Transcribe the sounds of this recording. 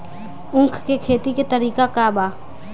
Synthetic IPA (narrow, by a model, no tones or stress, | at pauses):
ʊ̃ŋkʰkekʰeːt̪iket̪əɾiːkakaːbaː